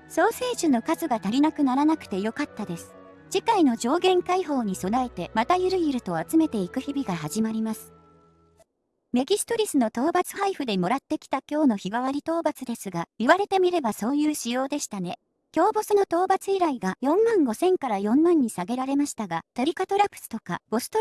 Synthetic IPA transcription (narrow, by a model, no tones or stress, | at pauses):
so̞ːse̞ːʑɨno̞kazɨɡat̪aɾʲinakɯ̟naɾanakɯ̟̥t̪e̞jo̞kat̪ːad̪e̞sɨ̥ | d͡ʑikaino̞d͡ʑo̞ːɡẽ̞ŋkaiɦo̞ːɲ̟iso̞nae̞t̪e̞mat̪ajɯ̟ɾɯ̟iɾɯ̟t̪o̞at͡sɨme̞t̪e̞ikɯ̟çibʲiɡaɦaʑimaɾʲimasɨ̥ | me̞ɡʲisɨ̥t̪o̞ɾʲisɨno̞t̪o̞ːbat͡sɨ̥haiɸɯ̟d̪e̞mo̞ɾat̪ːe̞kʲi̥t̪akʲo̞ːno̞çiɡaβaɾʲit̪o̞ːbat͡sɨd̪e̞sɨɡaiβaɾe̞t̪e̞mʲiɾe̞baso̞ːjɯːɕijo̞ːd̪e̞ɕi̥t̪ane̞ | kʲo̞ːbo̞sɨno̞t̪o̞ːbat͡sɨiɾaiɡajõ̞mːãŋɡo̞sẽ̞ŋkaɾajõ̞mmãɲ̟ːisaɡe̞ɾaɾe̞maɕi̥t̪aɡat̪oɾʲikat̪o̞ɾapɯ̥sɨ̥t̪o̞kab̥o̞sɨ̥t̪o